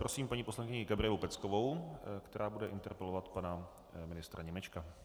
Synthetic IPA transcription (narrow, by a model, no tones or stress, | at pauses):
pɾosiːmpaɲipo̞slaŋkɪɲɪɡabɾɪjɛlupɛt͡skovo̞wkt̪ɛɾaːbudɛʔɪnt̪ɛɾpɛlovat̪pana | mɪnɪst̪ɾʔaɲɛmɛt͡ʃka